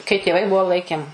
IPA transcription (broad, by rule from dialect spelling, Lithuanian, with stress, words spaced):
kɐɪ tʲeːˈʋɐɪ ˈbuɔ ˈlˠɐɪkʲeːm